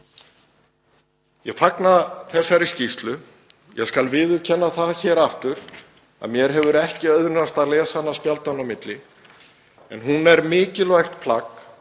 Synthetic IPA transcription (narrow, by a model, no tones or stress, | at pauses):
jɛɣfaknaθɛsːaɾiscist̪lʏ | jɛ̰ɣskalvɪːðʏcʰɛnːaθaðçɛːɾaft̪ʏɾ̥ | a̰ðmjɛɾ̥ɦɛvʏɾɛhcɪœðɾnast̪alɛːsanːaspjalt̪anawmɪt̪lɪ | ɛnɦunɛɾmɪːcɪlvajxt̪pʰlak